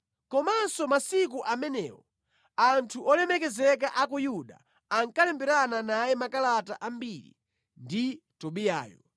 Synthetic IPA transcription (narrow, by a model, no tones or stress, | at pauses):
kɔmasɔmasik̬uʔamɛnɛ̰ːwɔ | antʰuʔɔlɛmɛkɛzɛk̬aʔakujuɗa | aŋkalɛmbɛɾananajɛmakalataʔambiɾḭ | nditɔɓija̰ːjɔ